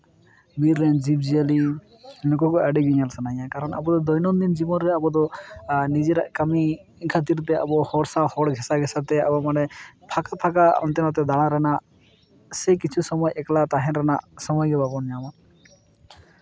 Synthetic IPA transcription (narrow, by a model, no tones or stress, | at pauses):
biɾːɛnd͡ʒib̚d͡ʒiali | lɔkɔkɔaɖiɡiɲalsanããkaɾɔna̰bɔd̪ɔd̪ɔjnɔmd̪ind͡ʒimɔɾːɛabɔd̪ɔnid͡ʒɛɾaʔkami | inkʰat̪̬iɾt̪ɛa̰bɔhɔɽsahɔɽɡʱɛsaɡʱɛsat̪ɛa̰bɔmanɛpʰakapʰakaɔ̰nt̪ɛnɔt̪̬ɛd̪aɽ̃aɾɛnaʔ | sɛkit͡ʃʰusɔmɔjɛklat̪aɦɛnɾɛna̰ʔsɔmɔjɡɛbapɔnjama